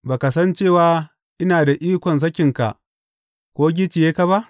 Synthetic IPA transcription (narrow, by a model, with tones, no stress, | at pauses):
baː˨ka˨sɐ˦nt͡ʃeː˦˨waː˨˦ | ʔɪ˦naː˨da˨ʔiː˦kʷɔ˨ns̬ɐ˦kʲɪ˨ŋka̰˨ʔ | kʷoː˦ɡʲɪ˦t͡ʃɪ˨jeː˦ka˦ba˦ʔ